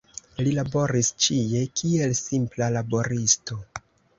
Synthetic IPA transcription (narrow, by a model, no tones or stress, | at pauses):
lilabo̞ɾist͡ʃije̞kʰie̞lsimplalabo̞ɾisto̞